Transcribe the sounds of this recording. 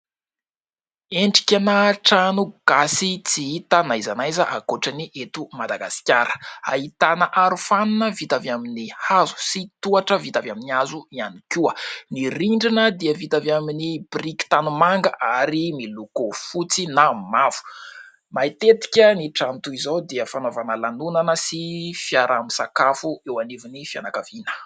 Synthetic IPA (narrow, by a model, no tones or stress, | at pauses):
eɳɖ͡ʐi̥kʲanaʈ͡ʂanuɡ̥asit͡siit̪anaizanajzəʔakoʈ͡ʂaniʔet̪umad̪aɡasi̥kʲaɾə̥a̰ɦit̪anəʔaɾufanunəvit̪avaminihazu̥sit̪uaʈ͡ʂəvit̪avaminiazuianikʲuəniɾiɳɖ͡ʐinəd̪iəvit̪avjaminibriki̥t̪anumaŋɡəʔaɾimilukofut͡sinamav̥u̥ | mait̪et̪i̥kʲəniʈ͡ʂant̪uizod̪iəfanovanəlanunanəsifjaɾamisakafuewanivinifianakavinə̥